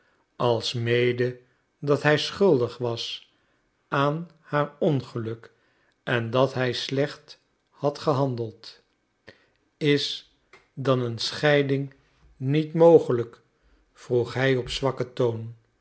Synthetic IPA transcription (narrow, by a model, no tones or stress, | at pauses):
ɑlˠsmejdə | dɑtɦɛjsχɵlˠdəχʋɑs | ʔaːn | haːɹɔnχəlɵk | ɛndɑtɦɛjslɛχt | hɑtχəɦɑndəlˠt | ɪs | dɑnənsχɛjdɪŋ | nitmowχələk | fruχɦɛjɔpsʋɑkətown